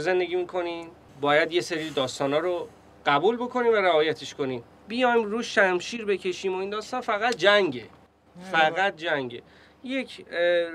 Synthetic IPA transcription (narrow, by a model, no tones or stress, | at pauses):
ze̞nd̪e̞ɡʲiːmikʰo̞ni | bɒːjæd̪je̞seɾiːd̪ɒːst̪ɒːnɒːɾo | ɢ̥æbulbo̞kʰo̞niːmvæɾævɒːjæt̪ʰe̞ʃko̞niːm | bijɒjmɾuːʃæmʃiːɾbe̞cʰe̞ʃiːmoind̪ɒːst̪ɒːnfæɣæt̪̚d͡ʒæŋɟe̞̰ | fæɣæt̪̚d͡ʒæŋɟḛ | je̞cʰ